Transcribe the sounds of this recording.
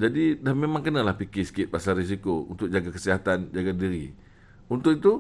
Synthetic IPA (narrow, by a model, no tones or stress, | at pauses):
d͡ʒadidahmemãŋkənãlahpikɪsə̥kɪt̪̚pasaris̬ikoṵnt̪ʊk̚d͡ʒaɡakəsiɦat̪and͡ʒaɡadiɾi | unt̪ʊkit̪u